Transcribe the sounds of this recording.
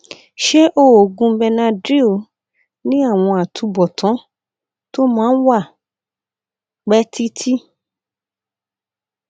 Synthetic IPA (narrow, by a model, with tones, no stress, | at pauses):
ʃe˦ʔo˦˨o˨ɡũ˧bɛ˧nã˧dɾi˦o˨ | nĩ˦a˦˨w̃ɔ̃˧a˨tʰu˨˧bɔ˨tʰɔ̃˨˦ | to˦mãː˦n̩˦wa˦˨ | k͡pɛ˦ti˦tʰi˦